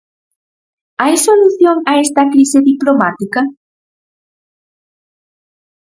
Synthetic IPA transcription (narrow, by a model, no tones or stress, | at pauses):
ajsoluθjoŋɐɛst̪ɐkɾiseðiplomat̪ikɐ